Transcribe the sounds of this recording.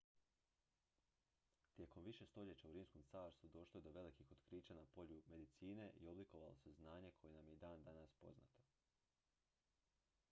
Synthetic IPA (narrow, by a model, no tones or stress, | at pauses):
t̪je̞ko̞mʋiʃe̞st̪o̞ʎe̞t͡ɕauɾiːmsko̞mt̪saːɾst̪ud̪o̞ʃloed̪o̞ʋe̞likixo̞t̪kɾiːt͡ɕanapo̞ʎume̞d̪it̪siːne̞ʔḭo̞bliko̞ʋalo̰seznaːɲe̞kʰo̞je̞namjed̪aːnd̪anaspo̞̰zna̰t̪o